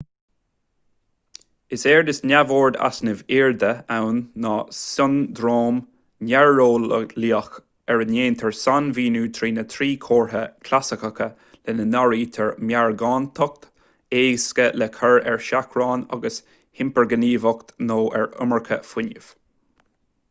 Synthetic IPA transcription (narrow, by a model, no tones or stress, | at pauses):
ɪsɛːɹd̪ɪsnʲavoːɹd̪a̰snɪvɪɹd̪əawnːɑsʊnd̪ɾoːm | nɛɹːoːlliːəx | ɛɹənjeːnt̪ʰɛɹsanviːnuːt̪ʰɾiːnət̪ʰɾiːkʰoːɹɦəkʰlasɪkəkə | lɛnənaɹiːt̪ʰɛɹmjaɹɡɑːnt̪ʰɔk̚t̪ | eːskəlɛkʰəɹɛɹʃakʰɹɑːna̰ɡəs | hɪmpəɹɡəniːvɔkt̪noːʔɛɹʊ̰məɹkʰə̰fwɪnəv̥